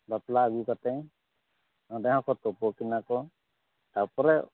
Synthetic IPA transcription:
bɔt̪laːɡukat̪ɛj | nɔ̃dɛɦãkɔt̪ɔpɔkinakɔ | t̪awpɔɾɛ

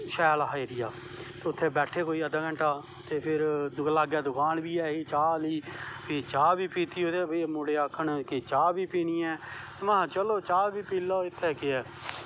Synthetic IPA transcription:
ʃɛːlɦaːeːɾɪjaː | t̪eːʊt̪ʰːeːbɛːʈʰeːkoːiːəd̪aːkəɳʈaː | t̪eːpʰɪɾd̪ʊklaːɡjaːd̪ʊkʰaːnbiːɛːiːt͡ʃaːliːpiːt͡ʃaːbiːpiːt̪iːɦoːd̪eːbeːmoɽeːaːkʰːəɳkɪt͡ʃaːbiːpiːniːɛː | mãːt͡ʃəloːt͡ʃaːbiːpiːlːaːɪt̪ʰːɛːkɪɛː

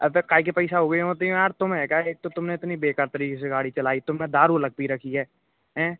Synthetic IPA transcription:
ɐbekaːik̬epɐɪsaɦoːɡəeɦõt̪iẽaːɾt̪ʊmɦɛ̃kaeːk̚t̪ot̪ʊmneɪt̪nibeːkaːɾt̪ɐɾiːkes̬eɡaːɽit͡ʃɐlaːit̪ʊmẽd̪aːɾulɐɡ̚piɾɐkʰiɦɛː | ɦɛ̃ː

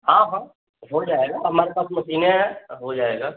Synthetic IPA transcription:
ɦãɦãː | ɦod͡ʒaːeɡaːɦɐmaːɾepaːsmɐsiːneɦod͡ʒaːeːɡaː

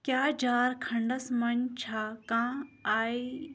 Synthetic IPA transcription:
kjaːd͡ʒaːɾkʰɐɳɖɐsmɐnt͡ʃʰaːkãːaːi

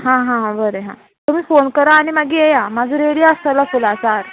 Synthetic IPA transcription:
ɦãɦããbəɾeɦã̰ | t̪umiːfonkəɾaːɽ̃imaɡiːejamad͡zʱəɾeɽijaast̪alafulasaɾ

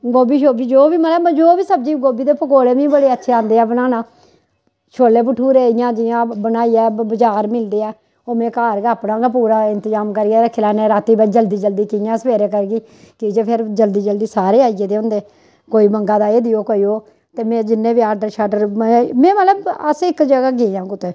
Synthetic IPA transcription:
ɡoːbiːʃoːbiːd͡ʒoːʋiːmət̪ləbd͡ʒoːʋiːsəb̚d͡ʒiːɡoːbiːd̪eːpəkoːleːmĩːbəɽeːətːʃʰeːãːnd̪eːɛːbənaːnaː | ʃʰoːleːpəʈʰːuːɾeːɪjãːd͡ʒɪjãːbənaːiːɛːbəd͡ʒaːɾmɪld̪eːɛː | oːmɛ̃ːkaːɾɡaːpɽãːɡaːpuːɾaːɪ̃nt̪əzaːmkəɾiːaːɾəkʰːlaːnẽːɾaːt̪ːiːbət͡ʃd͡ʒəld̪iːd͡ʒəld̪iːkɪjãːsəʋeːɾeːk̬əɾɡiː | kɪd͡ʒeːpʰɪɾd͡ʒəld̪iːd͡ʒəld̪iːsaːɾeːaːijeːd̪eːɦʊ̃nd̪eː | koːiːməŋɡaːd̪aːeːd̪ɪjoːkoːiːoː | t̪eːmɛ̃ːd͡ʒɪnːẽːbiːaːɖəɾʃaːɖəɾmɛ̃ːmət̪ləbəsɪkd͡ʒəɡaːɡeːãːɡʊt̪ːeː

